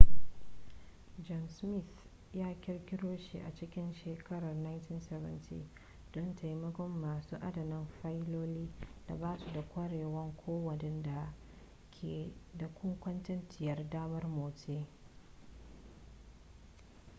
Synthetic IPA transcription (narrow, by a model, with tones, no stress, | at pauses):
d͡ʒɔ˨msmɪ˦˨θ | jaː˦kʲɪ˦rkʲɪ˦ɽoː˦ʃḭ˨ʔa̰˨t͡ʃɪ˦kʲɪ˦nʃeː˨kɐ˦ɽɐ˨rna˦jntɪ˦nsɛ˦vɐ̰˦ntʰḭː˦ | d̥ɔ˦ntʰa˨ji˦mɐ˦ɡʷɔ˦mːaː˨suː˦ʔa˦dɐ˨nɪ˦mɸa˦jloː˦liː˦da̰˨baː˦su˨da˨kʷɐ˦ɽeː˨wɐ˦ŋkʷʰoː˦wɐ˨nɪ˦nda˨ | kʰʲeː˨da˨kʷʊ˦ŋkʷɐ˦ntɐ˦ntɪ˨jɐ˨rdaː˦mɐ˦rmoː˨teː˦